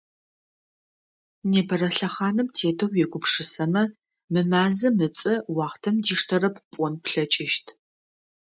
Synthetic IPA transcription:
neːbɐɾɐɬɐχaːnɨmtʰeːtʰɐwjɛɡʷʊpʂɨsɐmɐ | mɨmaːzɐmɨt͡sʼɐwɑːχtʰɐmdiːʂtʰɐɾɐp̚ʰpʼɔnpɬɐt͡ʃʼɪʃtʰ

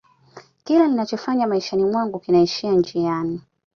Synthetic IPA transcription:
kilaninat͡ʃɔfaɲamaiʃanimwaŋɡukinaiʃiand͡ʒijani

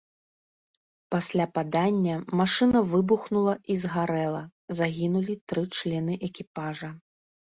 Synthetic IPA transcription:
pasʲlʲapad̪anʲːɐmaʂɨnɐvɨbuxnulˠɐʔizɣaɾɛlˠɐzaɣʲinulʲit̪ɾɨt͡ʂlʲɛnɨʔɛkʲipaʐɐ

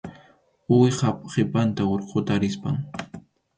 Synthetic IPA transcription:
ʊwχapχepant̪aoɾqʰot̪aɾɪspaŋ

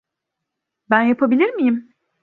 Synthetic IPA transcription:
bænjapʰabilʲiɾmijim

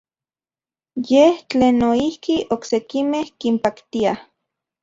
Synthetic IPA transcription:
jeht͡ɬeːnːoihkiʔoksekimehkimpakt̪ia

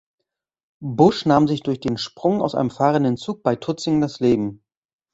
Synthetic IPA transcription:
bʊʃnaːmzɪçd̥ʊɐçd̥eːnʃpʁ̥ʊŋaʊsʔa̰ɪnəmfaːʁəndənt͡suːk̚b̥aɪtʰʊt͡sɪŋdasleːbm̩

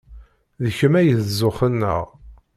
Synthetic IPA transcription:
ðəçəmæjəðzːʊχənːə̰ʁ

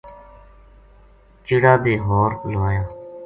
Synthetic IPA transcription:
t͡ʃɪːɽaːbeːɦoːɾloaːjãː

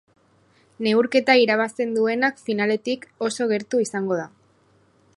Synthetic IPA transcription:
ne̞uɾke̞t̪aiɾaβ̞ast̪e̞nd̪ue̞nakfinale̞t̪iko̞so̞ɣ̞e̞ɾt̪uisaŋɡo̞ð̞a

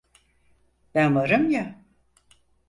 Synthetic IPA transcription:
b̥ænvaɾɯmja

